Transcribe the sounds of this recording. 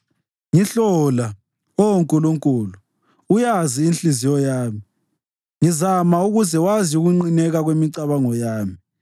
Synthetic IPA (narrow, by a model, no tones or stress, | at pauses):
ŋiɬɔla | ɔwoŋkʼuluŋkʼuːlu | ujaziːnɬizijɔjaːmi | ŋizamauɣuzɛwaziuɣuŋ͡ǀinɛɣaɣwemiǀaβaŋɔjaːmi